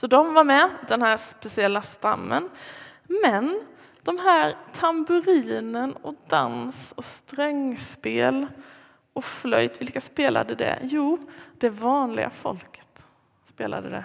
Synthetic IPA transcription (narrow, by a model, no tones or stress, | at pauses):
sɔd̪ɔmvaɾmɛd̪ɛnhæːspɛsɪɛlːast̪a̰mːən | mɛn | d̪̥ɔmɦæːɾt̪ʰambɵɾiːnənɔd̪a̰nsɔst̪ɾɛŋspeːl | ʔɔflœ̰jt̪vɪlkaspeːla̰d̪əd̪ɛ̰juːd̪̥ɛvɑːnlɪ̰ɡa̰fɔ̰lkə̥t̪ | speːla̰d̪əd̪ɛ̰